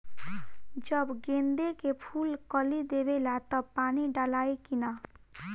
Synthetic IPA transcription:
d͡ʒəbɡend̪ekepʰulkəlid̪ebelat̪ɔpaniɖalaekina

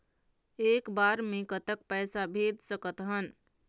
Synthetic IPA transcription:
ekbaɾmẽkət̪ək̚pɛjsabʱed̪səkət̪ɦən

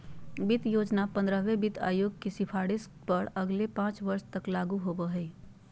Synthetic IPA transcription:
bit̪joːd͡ʒnapə̃nd̪ɾəɦʋebɪt̪a̰ːjoɡ̚kesɪpʰaːɽis | pəɾəɡlepãːt͡ʃʋəɾst̪əklaːɡuɦobəɦəɪ

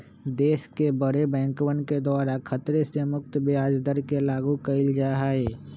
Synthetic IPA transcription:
d̪eːskebəɾebɛ̃ːŋkwənked̪aːɾakʰət̪ɾesemʊk̚t̪bɪjaːd͡ʒd̪əɾkelaːɡukəɪld͡ʒaːɦaːɦeː

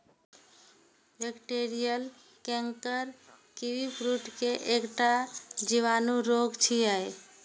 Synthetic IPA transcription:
bekʈeɾijəl | kɛ̃ŋkəɾ | kiwipʰɾuʈkeʔekʈad͡ʒiʋanuɾoɡt͡ʃʰiaj

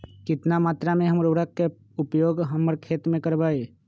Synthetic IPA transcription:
kɪt̪namaːt̪ɾamẽɦəmɾoːɽəkːe | ʊpjoːɡɦəməɾkʰeːt̪mẽkəɾbaːeː

